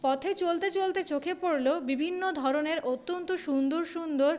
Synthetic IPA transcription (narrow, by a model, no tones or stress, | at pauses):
pɔt̪ʰet͡ɕolt̪et͡ɕolt̪et͡ɕokʰepoɾlebibʱinːod̪ʱɔɾoneɾot̪ːont̪oʃund̪oɾʃund̪oɾ